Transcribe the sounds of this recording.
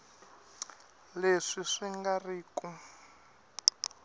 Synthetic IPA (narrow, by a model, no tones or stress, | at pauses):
leʂiʂiŋɡariːku